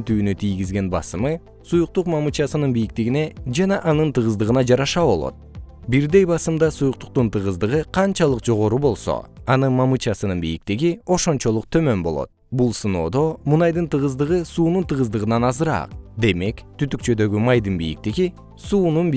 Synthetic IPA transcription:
nt̪yːnyt̪ʰijɡizɡe̞nbɑ̰sɯmɯ | sujuq̚t̪uqmɑmɨt͡ʃɑsɯnɯnbijik̚t̪iɡine̞d͡ʒɑnɑʔɑnɯnt̪ɯʁɯzd̪ɯʁɯnɑd͡ʒɑɾɑʃɑbo̞lˠo̰t̪̚ | biɾd̪e̞jbɑsɯmd̪ɑsujuq̚t̪u̥q̚t̪unt̪ʰɯʁɯzd̪ɯʁɯqʰɑnt͡ʃɑlˠɯqd͡ʒo̞ʁo̞ɾubo̞lˠso̰ɑnɯnmɑmɯt͡ʃɑsɯnɯnbijik̚t̪iɡio̞ʃo̞nt͡ʃo̞lˠuq̚t̪ʰø̞mø̞nbo̞̰lˠo̞̰t̪̚bulˠsɯno̞ːd̪o̞munɑjd̪ɯnt̪ɯʁɯzd̪ɯʁɯsuːnunt̪ɯʁɯzd̪ɯʁɯnɑnɑzɯɾɑ̰ːqd̪e̞me̞kt̪yt̪yk̚t͡ʃø̞d̪ø̞ɡymɑjd̪ɯnbijḭk̚t̪iɡi | suːnunb

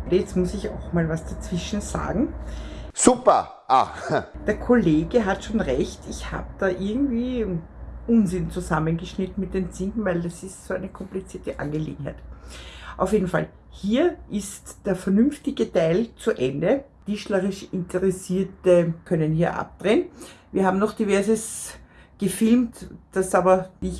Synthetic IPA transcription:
dəjɛt͡stmʊsɪça̰ʊxmaːlvasd̥at͡sv̥ɪʃn̩z̥a̰ːɡŋ̩ | supɐ̰ | ʔa̰d̥eːɐkʰoleːɡəɦatʃoːnʁɛçtɪçha̰ːb̥əd̥aːʔɪɐɡŋ̩tv̥iː | ʔʊnzɪnt͡suzamənɡəʃnɪtn̩mɪt̚d̥eːnt͡siŋkn̩væɪldasɪstsoːæɪnəkʰɔmplit͡siːɐtəʔa̰nɡəlḛːɡŋ̩hæ̰ɪt | ʔaʊfjeːdn̩fa̰l | hiːɐʔɪstd̥eːɐfɛɐnʏmftɪɡətaɪlt͡suʔɛndə | d̥iʃlɐʁɪʃɪntəʁɛsiːɐtəkʰœnənhiːɐʔa̰p̚d̥ʁeːnviːɐhaːbm̩nɔχd̥ivɛɐzəsɡ̥əfɪlmtd̥asaːbɐdiç

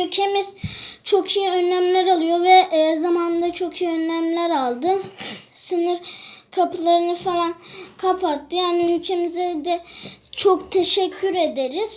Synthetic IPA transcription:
hylʲcʰe̞mizt͡ʃʰo̞kʰijiø̞nːæmlʲæɾalˠɯjo̞vɛʔzamand̪at͡ʃʰo̞kʰijiønːæmlʲæɾalˠd̪ɯsɯnɯɾkʰapɯlˠaɾɯnɯfalˠankʰapʰat̪ːɯjaːnihylʲcʰe̞mizɛd̪ɛt͡ʃʰokt̪ʰe̞ʃɛcʲʰːyɾe̞d̪eɾiz̥

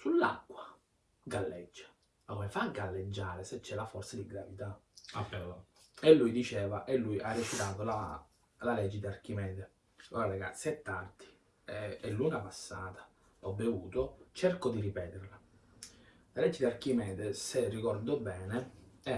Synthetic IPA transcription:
sulːa̰kːwa | ɡalːɛd͡ʒːḁ | akomefaɡːalːed͡ʒːaːɾeset͡ʃːɛlːafɔrt̪sad̪iɡɾavit̪aa | elːujd̪it͡ʃɛːvaʔelːujʔarːet͡ʃit̪aːt̪ola | lalɛd͡ʒːed̪iark̟imɛːd̪e | oɾaleɡa̰t̪set̪ːard̪i̥ | ɛɛlːuŋɡapasːaːt̪ḁ | ɔbːevuːt̪ot͡ʃɛrkod̪iripɛːt̪erla | lalɛd͡ʒːed̪iarkimɛːd̪eserːikɔrd̪obɛːneɛ

